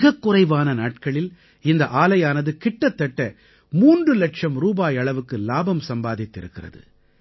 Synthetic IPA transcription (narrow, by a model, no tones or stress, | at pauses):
ɣɐkːʊrɐɪʋaːnɐnaːʈ̚kɐɭɪl | ɪnd̪ɐʔaːlɐjaːnɐðɯkɪʈːɐt̪ːɐʈːɐ | muːndrɯlɐʈʂɐmɾuːbaːjɐɭɐʋɯkːɯlaːbɐmsɐmbaːðɪt̪ːɪɾɯkːɪrɐ̰ðɯ̰